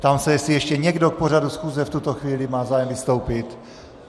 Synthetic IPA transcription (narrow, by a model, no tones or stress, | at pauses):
t̪amsɛjɛsɪjɛʃcɛɲɛɡdok̚por̝adusxuːzɛft̪ut̪oxviːlɪmaːzaːjɛmvɪst̪owpɪt̪